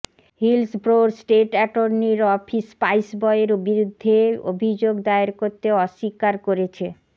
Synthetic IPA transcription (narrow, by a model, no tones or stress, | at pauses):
hilsbɾoɾsʈeʈɛʈoɾniɾɔpʰispajsbɔeeɾbiɾud̪ʱːeo̰bʱid͡ʑoɡd̪aeɾkoɾt̪ːeɔʃːikaɾkoɾet͡ɕʰe